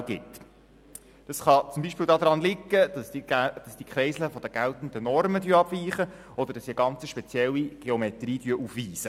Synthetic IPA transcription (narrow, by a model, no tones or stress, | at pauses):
ɡɪt | d̥ɑsχɑt͡sʊmbiʃpɪːldɑːd̪ɾɑnlɪkːəsd̥ɑsd̥ikχɾɛɪsləfɔd̥̪əɡ̥ælt̪n̩d̥̪ənɔrmədyːɑb̥viːχə | ɔd̥̪əɾd̥ɑsiːɡɑnt͡səʃpɛt͡sjɛlːiɡ̥eɔmɛt̪riːdyəʔufʋiːsə